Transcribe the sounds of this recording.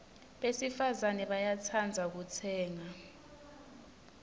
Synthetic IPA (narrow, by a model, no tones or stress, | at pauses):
ɓesifazanɛɓajat͡sʰand͡zʱak̬ut͡sʰɛːŋa